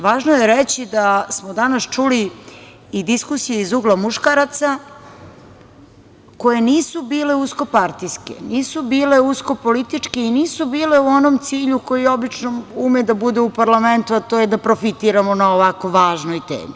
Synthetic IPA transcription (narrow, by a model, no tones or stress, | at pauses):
ʋaːʒnojeɾet͡ɕid̪asmod̪anast͡ʃuli | id̪iskusijeizuɡlˠamuʃkaɾat̪sa | ko̞je̞niːsubiːle̞usko̞paɾt̪iskḛniːsubiːle̞usko̞polit̪it͡ʂkeiniːsubiːle̞uonomt̪siːʎuko̞jiobit͡ʃnoumed̪abud̪eupaɾlament̪uat̪o̞jed̪apɾo̞fit̪iːɾamonaoʋako̞ʋaːʒnojt̪ḛːmi